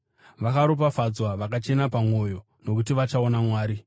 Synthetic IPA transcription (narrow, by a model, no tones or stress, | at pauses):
ʋakaɾop̬afad͡zwaʋakat͡ʃe̞napamwo̞jo̞ | no̞kutiʋat͡ʃaonamwaːɾi